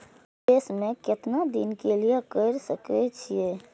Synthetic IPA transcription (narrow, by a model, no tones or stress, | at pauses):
d̪eːsmẽkɪt̪nad̪inkelijekəɪɾsəkɛt͡ʃʰie